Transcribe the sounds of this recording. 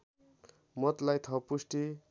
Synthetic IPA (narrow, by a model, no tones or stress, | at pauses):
mʌt̪lajt̪ʰʌpusʈi